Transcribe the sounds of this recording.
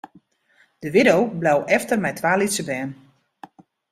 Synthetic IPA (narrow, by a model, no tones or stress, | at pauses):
d̥əʋɪdowblawʔɛftərmɛjtʰʋaːlitsəbɛːn